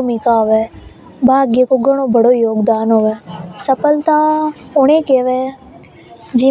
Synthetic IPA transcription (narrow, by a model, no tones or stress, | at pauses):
mikaːʋeː | bʱaːɡekoːɡʱəɽ̃oːbʱəɽoːjoːɡd̪aːnoʋeːsəpəlt̪ãːʊɳ̃ẽːkeːʋeː | d͡ʒiː